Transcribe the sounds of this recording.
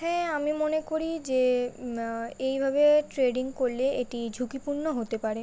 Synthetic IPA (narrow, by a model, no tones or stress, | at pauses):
ɦɛamimonekoɾid͡ʑe | ejbʱabeʈɾeɖiŋkoɾleeʈid͡ʑʱukipuɾnoɦot̪epaɾe